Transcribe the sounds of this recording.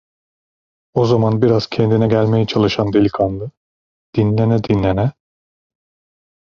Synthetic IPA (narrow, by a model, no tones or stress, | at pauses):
o̞zamanbiɾaz̥cʰɛnd̪inɛɟælʲmejɛt͡ʃʰalˠɯʃand̪elʲikʰanlˠɯ | d̪̥inlʲenɛd̪inlʲenɛ